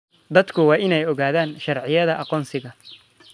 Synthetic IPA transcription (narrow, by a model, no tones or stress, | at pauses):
d̪ɐd̪kʰʊwɑːʔɪnɛjɔɣaːðaːnʃɑrʕɪjɐðɐʔɑqɔːnsɪɣɐ